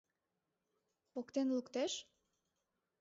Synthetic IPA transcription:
okt̪enlukt̪eʃ

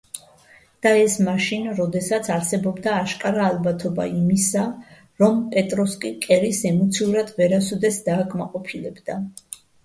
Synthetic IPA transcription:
d̪̥aɛsmaʃinɾɔd̪ɛsat̪sʰaɾsɛbɔbd̪aːʃkʼaɾaːlˠbat̪ʰɔba̰imisa | ɾɔmpʼɛt̪ʼɾɔskʼikʼɛɾisɛmɔt̪sʰiuɾad̪ʰvɛɾasɔd̪ɛsd̪aːkʼmaqʼɔpʰilɛbd̪a

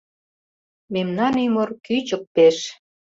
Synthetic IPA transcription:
memnɑnymorkyt͡ɕək̚peʃ

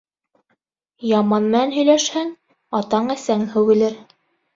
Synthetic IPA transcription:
jɑmɑnmɘ̆nænɦɵ̆jlæʃhæŋ | ɑt̪ɑɴæsæŋhɘ̆wɘ̆lɘɾ

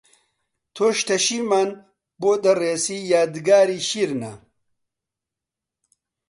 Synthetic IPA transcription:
t̪ʰoʃt̪ʰɐʃiman | boːd̪ɐreːsiːjaːd̪ɡaːɾiːɕiɾnɐ̰

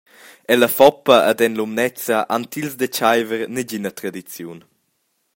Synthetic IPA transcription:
ɛlɐfɔpːɐʔad̪ɛnlumnɛt͡sɐʔant̪ilzd̪ət͡ʃajvəɾnɛɟinɐt̪ɾad̪it͡sjun

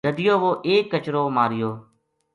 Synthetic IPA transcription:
əd̪ɪjoːʋoːʔeːkːət͡ʃɾoːmaːɾɪjoː

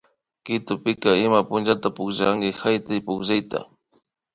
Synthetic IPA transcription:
kɪt̪ʊpɪkaɪmapʊnd͡ʒat̪apʊkʒaaŋɡɪxajt̪ɪjpʊkʒajt̪a̰

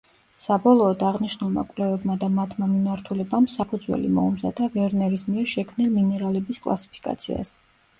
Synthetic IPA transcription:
sabɔlˠɔːd̪aʁniʃnulˠma̰kʼwlɛvɛbmad̪amat̪ʰmamimaɾt̪ʰulɛbamsapʰud̪zwɛ̰lḭmɔ̰umza̰d̪avɛɾnɛɾismiɛɾʃɛkʰmnilˠminɛɾalɛbiskʼlˠa̰si̥pʰi̥kʼa̰t̪sʰḭa̰s

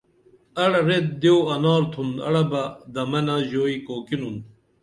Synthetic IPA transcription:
ɐɽɐɾet̪̚d̪ewɐnɑːɾt̪ʰund̪ɐ̰ɽɐbɐd̪ɐmɐnaʑoːikoːkinun

